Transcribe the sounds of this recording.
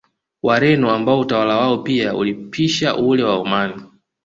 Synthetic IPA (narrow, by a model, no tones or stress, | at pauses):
waɾɛnɔambaɔutawalawaɔpiaṵlipʰiʃaʔulɛwaumani